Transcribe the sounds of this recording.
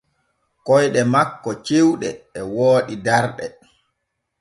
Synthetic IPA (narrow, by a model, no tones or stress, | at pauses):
kɔjɗɛmakːɔt͡ʃewɗɛːwoːɗidaɾɗɛ